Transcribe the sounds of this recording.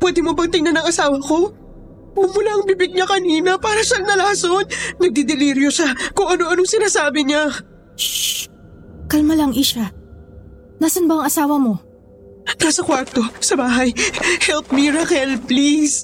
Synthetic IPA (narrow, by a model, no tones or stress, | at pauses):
pwɛːd̪ɪmobɐŋt̪ɪŋnanɐŋɐsaːwɐko̞ | ɡʊŋmʊlaɐŋbiːbɪɡ̚ɲɐkɐniːnɐpaːɾɐʃaŋnɐlaːsonnɐɡ̚d̪ɪd̪ɪliɾjoʃakʊŋʔɐno̞ʔɐnoŋsɪnaːsaːbɪɲa | kɐlmalɐŋʔɪʃa | nasɐnbaŋɐsaːwɐmo̞ | naːsɐkwaɾt̪o̞sɐbaːɦɐjhɛlp̚miɹakɛlplis